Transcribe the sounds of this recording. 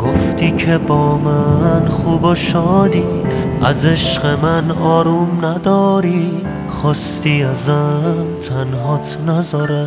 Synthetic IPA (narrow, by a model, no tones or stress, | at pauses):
ɡ̥oft̪iːkʰebɔːmanχuːboʃɔːd̪ia̰zeʃqemanɔːɾumnad̪ɔːɾi | χɔːst̪iazamt̪ʰanɦɔːt̪ʰnazɒːɾa